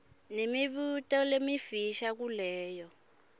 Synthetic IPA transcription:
nemiβutʼɔlemifiʃak̬ulɛːjɔ

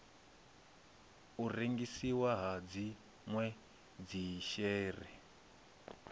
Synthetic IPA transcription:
ureŋɡisiwaɦad͡zi | ŋwɛ | d͡ziʃɛːrɛ̰

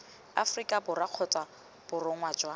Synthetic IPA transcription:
a̰frikʼabʊraq͡χʰɔt͡sʼa | b̥ʊrʊŋwaːd͡ʒwa

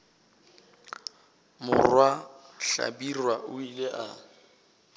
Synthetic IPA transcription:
mʊrwaɬa̰birwaʔʊileʔa

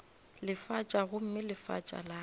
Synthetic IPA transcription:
lɪfat͡ʃʼaɣʊm̩mɪlɪfa̰t͡ʃʼa̰la

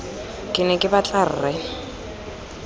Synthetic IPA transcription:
kʼɪnɛkʼɪbat͡ɬʼar̩ːrɛ

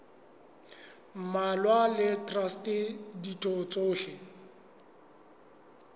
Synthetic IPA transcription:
m̩malwalɪtʼrastʼeditʼot͡sʼoːʃɪ

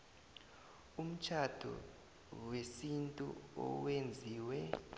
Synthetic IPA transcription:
um̩t͡ʃʰad̥ʱṵ | wesintʼṵɔ̰wend͡zʱiːwɛ

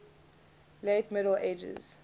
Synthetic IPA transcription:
letmɪɾl̩eːd͡ʒə̰z̥

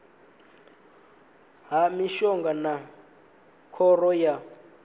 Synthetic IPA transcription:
ɦamiʃɔŋɡana | kʰɔrɔja

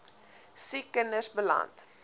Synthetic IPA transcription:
sikːənəsbəlɐ̰nt

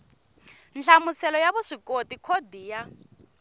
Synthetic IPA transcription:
nɬamusɛlɔjaβuʂikʼotikʰodiːja

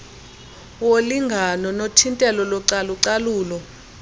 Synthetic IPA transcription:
woliŋɡʱanɔnotʰintʼɛlɔlɔǀaluǀaluːlɔ

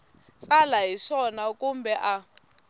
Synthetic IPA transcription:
t͡sʼalaɦiʂɔnakʼumbɛʔa

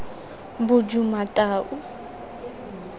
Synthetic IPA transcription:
bʊd͡ʒumatʼaːʔʊ

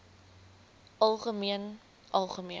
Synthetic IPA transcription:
ʔɐlˠχəmiən | ʔɐlˠχəmiə

